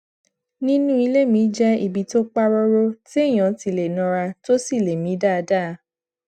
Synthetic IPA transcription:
nĩ˦nũ˦i˧le˦˨mĩ˨˦d͡ʒɛ˦i˨bi˨˦to˦k͡pa˦ɾɔ˧ɾo˦ti˦˨j̃ã˨˦ti˨le˨nɔ̃˧ɾa˧to˦si˦˨le˨mĩ˨˦da˦˨˧da˦˨˦

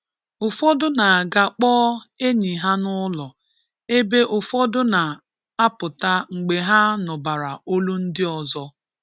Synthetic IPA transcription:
ʊ˨fɔ˦dʊ˦na˨a˨ɡa˨k͡pɔː˦e˦ɲi˨ɦa˦nʊ˦lɔ˨ | e˦be˦ʔʊ˨fɔ˦dʊ˦na˨ | a˦pʊ˨ta˦ŋ͡m̩˨ɡ͡be˨ɦa˦nʊ˨ba˨ɾa˨o˦lu˦n̩˦dɪ˦ɔ˨zɔ˦

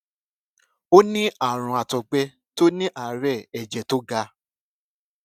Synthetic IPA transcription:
o˦nĩ˦a˦˨ɾ̃ɔ̃˧a˨tɔ˨ɡ͡bɛ˧˦ | to˦nĩ˦ʔa˨˦ɾɛ˦˨ɛ˨d͡ʒɛ˨to˦ɡa˧˦

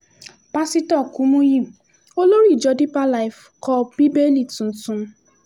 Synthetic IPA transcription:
pa˦si˦tɔ˦˨ku˨˦mũ˦ji˦˨m̩˨ | o˦lo˦ɾi˦˨d͡ʒɔ˨˦di˦pa˦la˦ɪ˨f | kɔ˦˨bi˦be˦li˨tu˨n̩˨tũ˨m̩˦

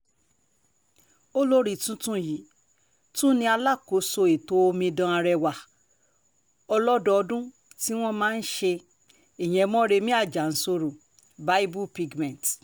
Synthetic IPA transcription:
o˦lo˦ɾi˦˨tũ˦tũ˦ji˨˦ | tũ˦nĩ˧a˧la˦˨ko˨˦so˧i˨to˨˦o˧mĩ˧dɔ̃˧a˧ɾɛ˧wa˨ | ɔ˧lɔ˦dɔ˧ɔ˧dũ˦ | ti˦w̃ɔ̃˦mãː˦n̩˦ʃe˧ | e˨j̃ɛ̃˨˧mɔ̃˦ɾe˧mĩ˦a˦˨d͡ʒa˨n̩˦so˧ɾu˨ | ba˨˦i˦bu˦pi˧ɡmɛ̃˨t

